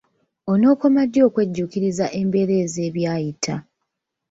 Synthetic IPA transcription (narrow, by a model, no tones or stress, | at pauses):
o̞no̞ːko̞madːo̞ːkwe̞ɟːukiɾizaʔe̞mbe̞ːɾe̞ːze̞ːβjaːjitʰa